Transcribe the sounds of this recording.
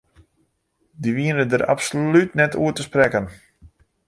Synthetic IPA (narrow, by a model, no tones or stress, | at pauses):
diʋiənədəɾa̰psolytnɛtṵətəsprɛkən